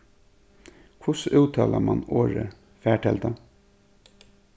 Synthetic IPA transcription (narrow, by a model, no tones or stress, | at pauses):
kʰʊsʉːt̪ʰɑːlamɑnoːɹə | fæːʈʰɛld̪ɑ